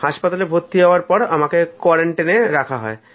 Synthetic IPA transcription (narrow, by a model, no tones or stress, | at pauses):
haʃpat̪alebʱot̪ːiɦɔaɾpɔɾamakekɔɾeɳʈeneɾakʰaɦɔ̰e